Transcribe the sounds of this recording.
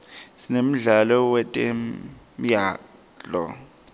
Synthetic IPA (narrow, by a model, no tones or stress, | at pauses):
sinem̩ɮalɔwɛtʼemjaː | d͡ɮɔ̰